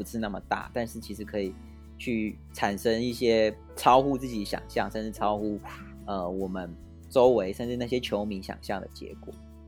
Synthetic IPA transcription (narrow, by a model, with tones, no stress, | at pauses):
u˧˥ʂɻ̩˥˧na˥˩mə˩t̪a̰˥˩t̪a˥˧nʂɻ̩˥˩t͡ɕʰi˧˥ʂɻ̩˧˥kʰɤ˧˥i˨˩ | t͡ɕʰy˥˩ | ʈ͡ʂʰa˨˩nʂə˦˥ŋi˥˩ɕjɛ˥ | ʈ͡ʂʰɑ˥ʊxu˥˧t͡sɹ̩˥˩t͡ɕi˨˩ɕjɑ̰˨˩ŋɕjɑ˥˨ŋʂə˥˧nʈ͡ʂɻ̩˥˩ʈ͡ʂʰɑ˥ʊxu˥ | ə˧˩wɔ˨˩mə˦n | ʈ͡ʂo˥ʊwe˧˥ɪʂə˥˧nʈ͡ʂɻ̩˥˧na˥˩ɕ̬jɛ˥t͡ɕʰjo˧˥ʊmi˧˥ŋɕjɑ̰˨˩ŋɕjɑ˥˩ŋd̪ə̰˩t͡ɕjɛ̰˧˥kwɔ̰˨˩˦